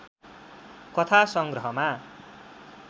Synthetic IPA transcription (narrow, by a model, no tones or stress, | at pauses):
kʌt̪ʰasʌŋɡrʌɦʌma